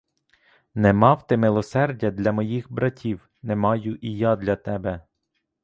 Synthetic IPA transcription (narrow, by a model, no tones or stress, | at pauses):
nɛmɑwt̪ɪmɪlˠɔsɛrdʲɐd̪lʲɐmɔjixbɾɐtʲʰiw | nemɑjʊʔijɑd̪lʲɐt̪ɛbɛ